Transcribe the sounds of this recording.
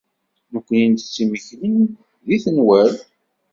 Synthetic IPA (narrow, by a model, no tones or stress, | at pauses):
nəkʷːənjint̪t͡sːiməçlən | ðiθənwæɾ